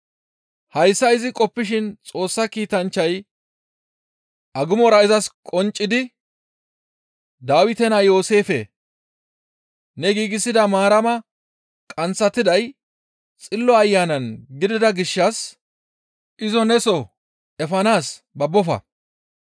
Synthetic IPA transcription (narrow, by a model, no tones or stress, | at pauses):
hɐjsːɐɪzɪkʼɔpːɪʃ̬ɪnt͡sʼo̞ːsːɐkiːt̪ɐnt͡ʃːɐj | ʔɐɡʊmɔɾɐɪzɐskʼɔnt͡ʃʼːɪd̪ɪ | d̪aːwɪt̪ɛnɐjo̞ːse̞ːfḛ | nɛɡiːɡɪsːɪd̪ɐmaːɾɐmɐ | kʼɐnt͡sːɐt̪ːɪd̪ɐj | t͡sʼɪlːɔɐjːaːnɐnɡɪd̪ɪd̪ɐɡɪʃːɐs | ʔɪzɔnɛsɔ | ʔɛfɐnaːs | bɐbːɔfɐ̰